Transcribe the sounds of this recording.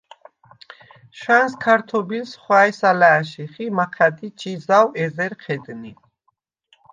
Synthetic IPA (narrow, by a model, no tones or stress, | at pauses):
ʃanskʰaɾt̪ʰɔbilsχwaɛsalaːʃiχimaqʰad̪it͡ʃʰʼizawɛzɛɾqʰɛd̪ni